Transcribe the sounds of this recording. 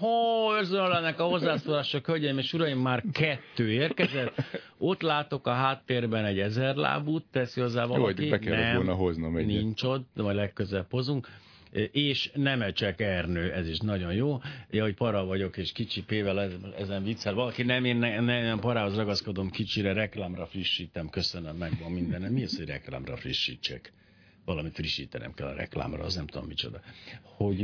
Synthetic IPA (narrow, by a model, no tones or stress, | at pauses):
hoørzønølɛnːɛkɒho̞zːaːsoːlaːʃɒkølɟɛmeːʃuɾɒjimːaːrkɛt̪ːøːeːrkɛzɛt̪ː | o̞t̪laːt̪o̞kɒɦaːt̪ːeːrbɛnɛɟɛzɛrla̰ːbuːt̪ːɛsiɡɒzːaːvɒ̰libɛkɛlɛmlnɦoznɒmɛniɲt͡ʃo̞t̪ːvɒɟlɛkːøzɛpho̞zuŋk | ʔeːʃnɛmɛt͡ʃɛkɛrnøːʔɛziʃnɒɟo̞njoːɛho̞c̚pɒɾɒvɒɟo̞keːʃkit͡ʃipeːvɛlɛɛzɛɱvit̪sːɛlvɒlɒkinɛmeːnɛnɛɛmpɒɾaːɦozrɒɡɒsko̞d̪o̞mkit͡ʃiɾɛɾɛklaːmrɒfriʃːiːt̪ɛmkø̞sønømːɛɡʋɒmːind̪ɛnɛmiøshoɟrɛkla̰ːmrɒ̰friʃːḭːt͡ʃːɛ̰k | ʋɒlɒmifriʃːiːt̪ɛnɛ̰mkɛlːɒ̰ɾɛ̰kla̰ːmrɒ̰snɛmt̪ud̪omːit͡ʃo̞d̪ɒho̞ɟ